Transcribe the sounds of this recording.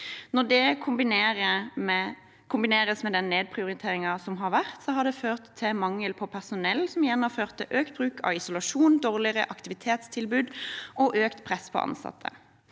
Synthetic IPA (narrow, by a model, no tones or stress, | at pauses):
nɔʁd̪ɛkʰʊmbɪneːɾəm | kʰʊmbɪneːɾəsmɛd̪ɛnːeːd̪̚pʰʁɪʊɾɪt̪ʰeːɾɪŋɑsɔmɦɑɾʋæʁt̪sɔɦɑd̪ɛføːʁt̪ʰːɪmɑŋːəlpʰɔpʰæʁsʊnɛlːsɔmɪjɛnːɑføːʁt̪ʰːɪʔøːkt̪̚bʁʉːkʰɑ̰ʋɪsʊlɑʂuːnd̪oːʁlɪʁə̰ʔɑkt̪ɪʋɪt̪ʰeːt̪st̪ʰɪlbʉːd̪ʔɔʔøːkt̪pʰʁɛspʰɔ̰ʔɑ̰nsɑ̰t̪ʰːə̰